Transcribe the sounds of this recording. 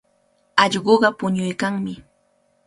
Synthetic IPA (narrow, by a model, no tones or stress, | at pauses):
ɑʎɢoɢɑpʊɲʊjkaŋmɪ